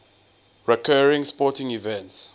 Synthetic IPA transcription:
ɹikʰɜɹĩŋspɔtɪ̃ŋivɛ̃nts

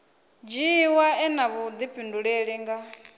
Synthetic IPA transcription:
d͡ʒiwaɛnaβud̪ipʰinduɺeɺiŋɡa

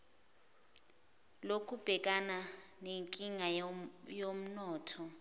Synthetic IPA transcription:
lokʰub̥ʱɛk̬ʼananeŋkʼiŋajom̩nɔːtʰɔ

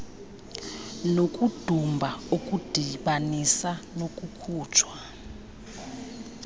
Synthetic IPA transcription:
nokʼud̥ʱumbʱaukʼud̥ʱiɓanisanokʼukʰuːt͡ʃʰwa

